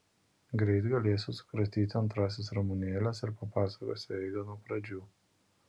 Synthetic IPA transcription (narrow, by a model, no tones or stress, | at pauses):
ɡɾʲɛɪt̪ɡɐlʲeːsʲʊsʊ̥kɾɐt̪ʲiːt̪ʲɐnt̪ɾɑːs̬ʲesɾɔmʊnʲɛːlʲɛsɪɾpɐpɑːsɐkoːsʲɛɪɡ̪ɐnuɔpɾɐd͡ʒʲuː